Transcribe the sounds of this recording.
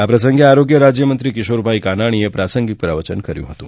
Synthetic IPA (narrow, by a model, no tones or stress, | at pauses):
apɾəs̬əŋɡeaɾoɡjəɾad͡ʒjəmənt̪ɾikɪʃoɾbʱaikanaɽ̃iepɾasəŋɡit̪pɾaʋət͡ʃənkəɾjṵ̃ɦət̪ũ